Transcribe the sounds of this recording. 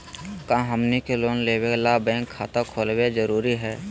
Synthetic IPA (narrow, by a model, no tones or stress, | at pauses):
kãːɦəmnikeloːnleːweklabɛ̃ːŋkʰːaːt̪akʰoːlwed͡ʒəɾuːɾiɦɛː